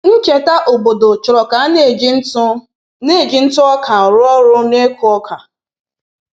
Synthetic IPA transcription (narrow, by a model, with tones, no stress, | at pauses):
n̩˦t͡ʃe˨ta˦ʔo˨bo˨do˨t͡ʃʊ˨ɾɔ˨ka˨˦ne˦˨d͡ʒ̩˦tʊ˦ | ne˦˨ɡi˨˦n̩˦tʊ˦ɔ˦kʰa˨ɔ˨ɾʊ˦ɔ˦ɾʊ˦ne˦ku˨˦ɔ˦kʰa˨